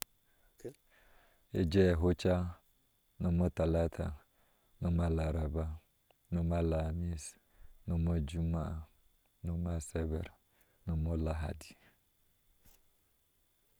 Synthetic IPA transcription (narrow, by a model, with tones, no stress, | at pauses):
e˦d͡ʒɛ˦˨ɦo˦t͡ʃa˦ | no˨mo˦ta˨la˦tʰa̰˨ | no˦ma˦la˨ɾa˨ba˦ | no˦ma˦la˨mi˦s | no˨mo˦d͡ʒu˦ma˦a˨ | no˦ma˦sɛ˦bɛ̰˨ɾ | no˨mo˦la˨ɦa̰˨di̥˨